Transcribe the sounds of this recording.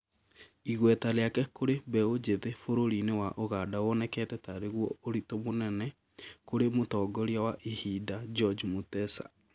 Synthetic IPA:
iɣwɛtaleakɛkoɾebɛod͡ʒeðefoɾoɾinewaʔoɣadaɔnɛkɛtɛtaɾeɣwɔoɾitomonɛnɛ | koɾemotɔːɡɔɾiawaʔihidad͡ʒɔd͡ʒmutɛsa̰

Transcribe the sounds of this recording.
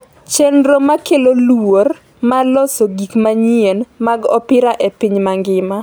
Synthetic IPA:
t͡ʃɛnɾomakelolor | malɔsoɡikmaɲienmaɡɔ̰pɪɾaʔepiɲmaŋɡɪma

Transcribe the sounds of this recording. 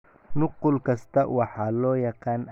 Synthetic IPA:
nʊqʊlkʰɐst̪ʰɐwɑħɑːlɔːjɑqɑːn

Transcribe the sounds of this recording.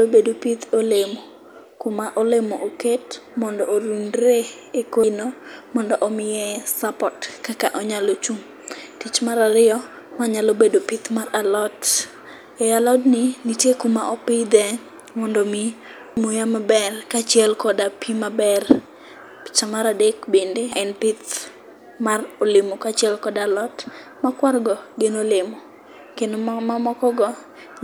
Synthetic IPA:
alobedopit̪ʰolemo | kʊmaʔɔlemɔʔoketmɔndɔoɾunɾe | ekonomɔndɔʔɔmɪjɛsapɔtkakaʔɔɲalot͡ʃum | tit͡ʃmaɾaɾɪɔ | maɲalobedopit̪maralɔt | ɛalɔdnɪnitjekʊmaʔɔpɪd̪ɛ | mɔndomi | mojamabɛrkat͡ʃɪɛlkɔdapimabɛr | t͡ʃamaɾadekbendeɛnpɪt̪ | marolɪmokat͡ʃɛlkɔdalɔt | makwarɡɔɡenolɪmɔ | kenomamɔkɔɡɔ

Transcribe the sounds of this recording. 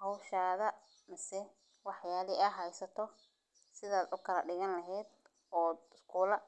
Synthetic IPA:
hɔwʃaːðɐ | mɪsɛ | wɑħjaːlɪɐɦɛjsɐt̪ʰɔ | sɪðaːd̪ʊkʰɐlɐɖɪɣɐnlɐɦɛːd̪ | ɔːɪskʰuːlɐ

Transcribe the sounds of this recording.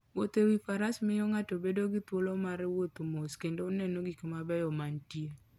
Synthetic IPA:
wot̪ewifaɾasmɪjɔŋatobedoɡɪt̪wolomaɾɛwot̪omoskendoonɛnoɡikmabɛjɔmantie

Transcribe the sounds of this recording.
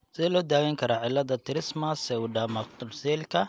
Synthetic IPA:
sɪðɛlɔːd̪aːwɛŋkʰɐɾaːʕɪlːɐðɐt̪ʰɪɾɪsmɐsɛʊɖɐmɐkt̪ʊrsɛːlkʰɐ

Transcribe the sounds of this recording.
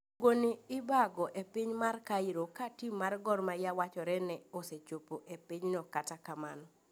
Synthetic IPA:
ɡonɪɪbaɡɔʔepɪɲmarkaiɾokatimːarɡɔrmajawat͡ʃɔɾɛnɛoset͡ʃopoʔepɪɲnɔkatakamanɔ

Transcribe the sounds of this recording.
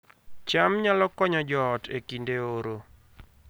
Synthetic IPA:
t͡ʃamɲalɔkɔɲɔd͡ʒɔːtekindeoɾo

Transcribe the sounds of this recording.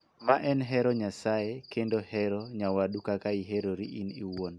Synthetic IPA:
maʔɛnɦɛɾɔɲasajekendohɛɾɔɲawadukakaiɦeɾoɾiʔiniwon

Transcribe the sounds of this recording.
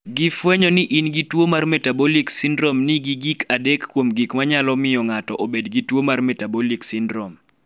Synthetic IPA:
ɡifwɛɲɔnɪʔinɡitwomarmɛtabɔliksindɾɔmniɡiɡikʰadɛkːwomɡikmaɲalɔmɪjɔŋatɔʔobedɡitwomarmɛtabɔliksindɾɔm

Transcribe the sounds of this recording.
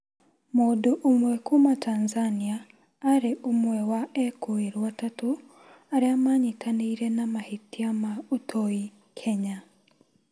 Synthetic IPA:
moːdoʔomwɛkomatanzaniaː | ɾeʔomwɛwaɛkʰoeɾwwatato | aɾeamaɲitʰaniiɾenamahitiamaotʰoi | kʰɛɲa

